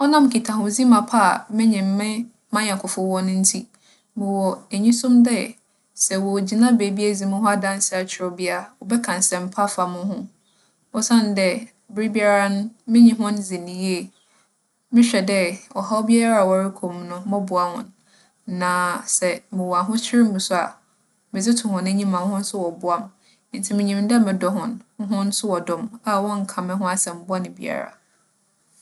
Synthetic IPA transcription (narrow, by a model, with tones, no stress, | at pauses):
ɔ˦nã˦m̩˨kʰi˨tʰa˨hʊ̃˨˦zi˦mã˨pʰa˦˨mɪ̃˦ɲɪ̃˨m̩˦mɪ̃˦ | mã˦ɲã˨kʰʊ˨fʊ˦wɔ˦nʊ̃˦n̩˦tʰi˦ | mɪ̃˨wɔ˨e˨ɲĩ˦sʊ̃˦mdɛ˦ | sɛ˨wɔ˨d͡ʑi˨nã˦be˨bi˦æ˦zĩ˨mʊ̃˦ɦʊ̃˦a˦dã˦n˦sɛ˦˨a˨t͡ɕʰɪ˨ɾɔ˨bi˦a˨wɔ˨bɛ˦kʰã˨n˨sɛ̃˨m̩˨pʰa˦fa˨mʊ̃˦hʊ̃˦ | ɔ˦sã˦n˨dɛ˦ | bɪ˦ɾi˦bi˦a˦ɾa˦nʊ̃˦mɪ̃˦ɲĩ˨ɦʊ̃˦nzɪ˨nĩ˨je˦˨ | mɪ̃˦ɕᶣɛ˨dɛ˦wɔ˨ɦa˦ɔ˦bi˦a˦ɾa˨wɔa˨ɾi˦kʰo˨mnʊ̃˦mɔ̃˦bʊ˨a˦hʊ̰̃˨n | nã˨sɛ˨mɪ̃˨wa˨ɦʊ̃˦t͡ɕʰᶣɪ˦ɾɪ˦mũ˨sʊ˦a̰˨ | mɪ̃˨d͡zɪ˦tʰʊ̃˨hʊ̃˨nɛ̃˦ɲĩ˦mã˨n˦hʊ̃˦n̩˦sʊ˦wɔ˨bʊ˨a˦m˦ | n̩˦tʰi˨mɪ̃˨ɲĩ˨mdɛ˦mɪ̃˨dɔ˨˦ɦʊ̃˨nʊ̃˦ɦʊ̃˦n̩˦sʊ˦wɔ˨dʊ̃˦˨ma˦wɔ̃˦ŋ̩˨kʰã˨mɛ̃˦ɦʊ̃˦a˦sɛ˨m̩˨˦bʊ˦a˦nɪ̃˨bi˦a̰˨ɾa̰˨